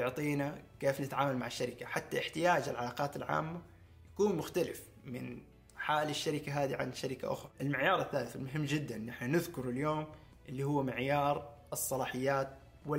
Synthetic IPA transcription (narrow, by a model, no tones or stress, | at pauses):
jʊʕt̪ˤiːnakeːfnɪt̪ʕaːmalmaʕɪʃːaɾɪkaħat̪ːaʔɪħt̪ɪjaːd͡ʒalʕalɑːqɑːt̪ɪlʕa̰ːmːa | jḁkuːnmʊxt̪alɪf | mɪ̰n | ħaːlɪʃːaɾɪkaɦaːd̪iʕa̰nʃaɾɪka̰ʔʊ̰xɾˤɑʔɪlmɪʕjɑːɾˤɪθːaːlɪθɪlmʊɦɪmːd͡ʒɪd̪ːanːɪħnanɪðkʊɾˤɪljoːm | ʔɪlːihʊwːamɪʕjɑːɾˤʔɨsˤːɑlɑːħɪjːaːt̪̚ | wɪ